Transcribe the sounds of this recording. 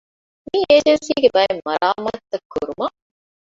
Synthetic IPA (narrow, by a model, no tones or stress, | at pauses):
mieːd͡ʒensiːɡebɐjemːɐɾaːmɐt̪ːɐkːuɾumɐ